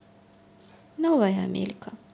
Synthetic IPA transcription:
nɔvajamʲḛlʲkʰa

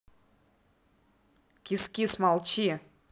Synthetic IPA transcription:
kʲiskʲismɑlˠt͡ɕi

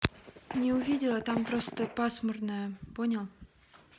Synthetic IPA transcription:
nʲeʊvʲidʲɪlˠət̪amprost̪əpasmərnəjəponʲəlˠ

